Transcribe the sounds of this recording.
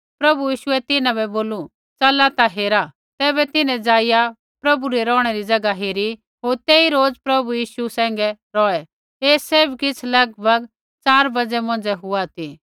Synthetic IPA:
pɾɐbujiːʃʊɛt̪ɪnãbɛboːlu | t͡sɐlat̪aɦeːɾa | t̪ɛːβɛt̪ɪnɛ̃d͡zaːɪja | pɾɐbuɾɛɾɔːɽ̃ɛɾid͡zɐɡaɦeːɾi | ɦoːɾt̪eːiɾoːd͡zpɾɐbujiːʃusɛ̃ːŋ̆ɡɛɾɔːɛ | eːseːbkɪt͡sʰlɐɡbʱɐɡ | t͡saːɾbɐd͡zɛmɔ̃ːn̆d͡zɛɦʊat̪ʰi

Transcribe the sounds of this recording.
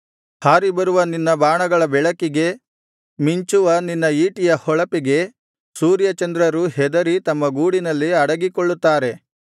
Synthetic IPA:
haːɾibɐɾuʋɐninːɐbaːɳɐɡɐɭɐbɛɭɐkiɡe̞ | miɲt͡ʃuʋɐninːɐiːʈijɐhɔɭɐpiɡe̞ | suːɾjɐt͡ʃɐnd̪ɾɐɾuɦɛd̪ɐɾit̪ɐmːɐɡuːɽinɐlːiɐɽɐɡikoɭːut̪ːaːɾe̞

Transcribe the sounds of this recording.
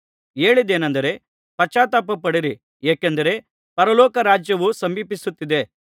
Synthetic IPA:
e̞ːɭid̪eːnɐnd̪ɐɾe̞ | pɐt͡ʃaːt̪ɐpɐpːɐɽiɾi | eːkend̪ɐɾe̞ | pɐɾɐlɔːkɐɾaːd͡ʒjɐʋusɐmbiːpisut̪ːid̪e̞

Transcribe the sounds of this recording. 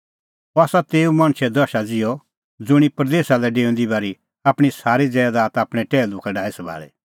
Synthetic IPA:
ɔaːsat̪eːumɐɽ̃ʃʰɛd̪ɔʃad͡zɪjɔ | d͡zʊɽ̃ipɾd̪eːʃalɛɖeːʊ̃nd̪ibaːɾi | aːpɽ̃isaːɾid͡zɛːd̪aːt̪aːpɽ̃ɛʈɛːlʊkʰɛɖaːisɐbʱa̰ːɭɛ̰

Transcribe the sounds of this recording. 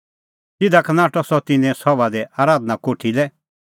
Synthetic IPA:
sɪd̪akɐnaːʈɔsɔt̪ɪnɛ̃sɔʋad̪ɛʔaːɾaːd̪nakoːʈʰilɛ

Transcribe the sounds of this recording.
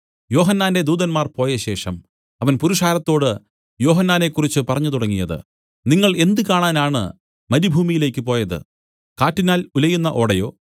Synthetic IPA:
jo̞ːɦɐnːaːnde̞d̪uːðɐnmaːrpoːjɐɕe̞ːʂɐm | ɐʋɐnpuɾuʂaːɾɐt̪ːo̞ːɽɨ | jo̞ːɦɐnːaːne̞kːurit͡ɕːɨpɐrɐɲːɐt̪uɽɐŋːijɐðɨ̰ | niŋːɐɭe̞nd̪ɨkaːɳaːnaːɳɨ̰ | mɐɾibʱuːmijile̞ːkʲːɨpo̞ːjɐðɨ̰ | kaːtːinaːlulɐjunːɐʔo̞̰ːɽɐjo̞̰ː

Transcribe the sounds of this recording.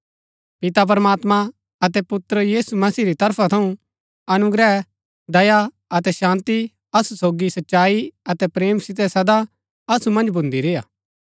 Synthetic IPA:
pɪt̪ap̬ɐɾəmaːt̪ma | ɐt̪ɛpʊt̪ɾəjiːsumɐsiːɾit̪ɐɾpʰat̪ʰɐũ | ɐnʊɡɾɛː | d̪ɐja | ɐt̪ɛʃãːnt̪i | ɐsusoːɡisɐtːʃaːiɐt̪ɛpɾeːmsɪt̪̬ɛsɐd̪a | ɐsumɐ̃nd͡ʒbʱʊ̃nd̪iɾɪːjaː

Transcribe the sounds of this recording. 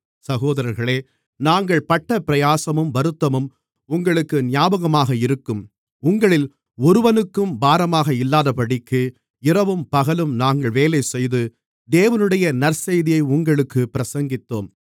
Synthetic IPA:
sɐɣoːðɐɾɐɾɣɐɭeː | naːŋɡɐɭpɐʈːɐpɪɾɐjaːsɐmɯmbɐɾɯt̪ːɐmɯm | ʊŋɡɐɭɯkːɯnɪjaːbɐɣɐmaːɣɐɪɾɯkːɯm | ʊŋɡɐɭɪl | ɔɾɯʋɐnɯkːɯmbaːɾɐmaːɣɐɪlːaːðɐpɐɽɪkːɯ | ɪɾɐʋɯmpɐɣɐlɯmnaːŋɡɐɭʋeːlɐɪsɛjðɯ | d̪eːʋɐnɯɽɐjɐnɐɾsɛjðɪjɐɪʊŋɡɐɭɯkːɯpɪɾɐsɐŋɡɪt̪ːoːm

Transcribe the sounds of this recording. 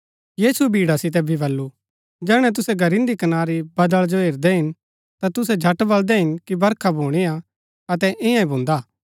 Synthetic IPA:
jiːsuebʱiːɽasɪt̪̬ɛbʱibɐlːu | d͡ʒɛːɽ̃ɛ̃t̪̬ʊsɛɡʱɐɾɪ̃nd̪ikɐnaːɾibɐd̪əɭd͡ʒoɦeːɾd̪ɛɦɪn | t̪at̪ʊsɛd͡ʒʱɐʈbɐld̪ɛɦɪnkibɐɾkʰabʱoːɽ̃ia | ɐt̪ɛʔɪ̃jãĩbʱʊ̃ːnd̪aː

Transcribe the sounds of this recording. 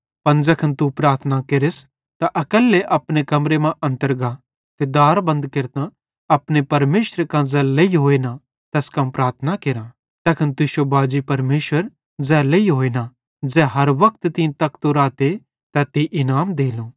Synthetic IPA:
pɐnd͡zɛkʰɐnt̪upɾaːɾt̪ʰnakeɾɪs | t̪aʔɐkəlːeʔɐpñekɐmɾemãʔɐ̃nt̪əɾɡa | t̪ed̪aːɾbɐ̃nd̪kɪɾt̪ã | ɐpnepɐɾmeːʃɾekãd͡zɛːlɐiɦoːeːnã | t̪ɛskɐmpɾaːɾt̪ʰnakeːɾã | t̪ɛkʰɐnt̪ʊʃobaːd͡ʒipɐɾmeːʃwəɾ | d͡zɛːlɐiɦoːeːna | d͡zɛːɦɐɾʋɐk̚t̪t̪ĩt̪ɐkt̪uɾaːt̪e | t̪ɛt̪iʔɪnaːmd̪eːloː

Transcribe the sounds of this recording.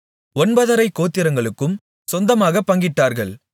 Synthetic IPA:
ɔnbɐðɐɾɐɪkːoːt̪ːɪɾɐŋɡɐɭɯkːɯm | sɔnd̪ɐmaːɣɐpːɐŋɡɪʈːaːɾɣɐɭ

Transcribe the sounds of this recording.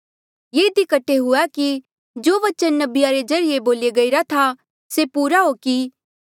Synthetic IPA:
jeːɪd̪ikɐʈʰːeɦʊɛki | d͡ʒoːʋɐt͡ʃənːɐbɪjaɾed͡ʒɐɾɪjeboːleɡɐiɾat̪ʰa | sepuːɾaɦoki

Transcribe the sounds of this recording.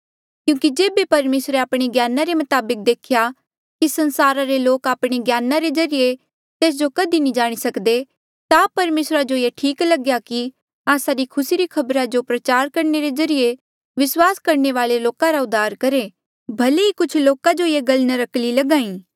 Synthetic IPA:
kjũːkid͡ʒeːbepɐɾmeːsɾeaːpɽ̃eɡjaːnaɾemɐt̪aːbək̚d̪eːkʰja | kisɐ̃nsaːɾaɾeloːkaːpɽ̃eɡjaːnaɾezɐɾije | t̪eːs̬d͡ʒokɐd̪inĩd͡ʒaːɽ̃isɐkd̪e | t̪apɐɾmeːsɾad͡ʒojeʈʰiːklɐɡjaki | aːsaɾikʰʊsiɾikʰɐbɾad͡ʒopɾɐt͡ʃaːɾkɐɾneɾezɐɾije | ʋɪswaːskɐɾneʋaːleloːkãɾaʊd̪ʱaːɾkɐɾe | bʱɐleikʊt͡ʃʰloːkad͡ʒojeɡɐlnãɾɐklilɐɡãːĩː

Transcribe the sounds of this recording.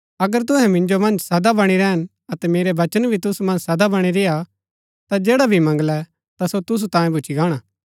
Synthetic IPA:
ɐɡəɾt̪̬ʊɦɛ̃mɪ̃ɲd͡ʒomɐ̃nd͡ʒsɐd̪abɐɽ̃iɾɛɦən | ɐt̪ɛmeːɾebɐt͡ʃənbʱit̪ʊsumɐ̃nd͡ʒsɐd̪abɐɽ̃iɾeja | t̪ad͡ʒeːɽabʱimɐ̃ŋɡlɛ | t̪asot̪ʊs̬ut̪ãːjẽbʊt͡ʃʰiɡaːɽ̃aː

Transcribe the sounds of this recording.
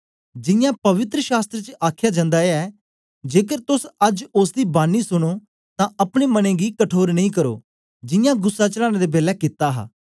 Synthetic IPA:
d͡ʒɪjãːpəʋɪt̪ɾəʃaːst̪ɾət͡ʃəʔaːkʰjaːd͡ʒãːnd̪aːɛː | d͡ʒeːkəɾt̪ʊsəd͡ʒʊs̬d̪iːbaːnːiːsʊɽ̃oː | t̪ãːəpɽ̃eːmənẽːɡiːkəʈʰoːɾnəĩːkəɾo̰ː | d͡ʒɪjãːɡʊsːaːt͡ʃəlaːñeːd̪eːbeːlɛːkɪt̪aːɦa̰ː

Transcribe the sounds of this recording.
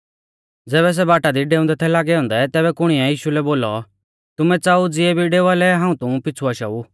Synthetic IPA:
d͡zɛːβɛs̬ɛbaːʈad̪iɖeːʊ̃nd̪ɛt̪ʰɛlaːɡɛɦɔ̃ːnd̪ɛt̪ɛːβɛkʊɽ̃ɪjãjiːʃulɛboːlɔ̰ | t̪ʊmɛ̃t͡saːud͡zɪɛbʱiɖeːʋaːlɛɦãːũt̪ʊ̃pɪt͡sʰuɐʃa̰u

